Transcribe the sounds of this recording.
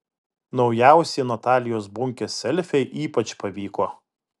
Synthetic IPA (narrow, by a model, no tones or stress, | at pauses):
nɒʊjæˑʊsʲɛːnɐt̪ɑːlʲɪjoːs̬bʊŋʲkʲɛsʲɛlʲfʲɛɪʔiːpɐt͡ʃpɐʋʲiːkoː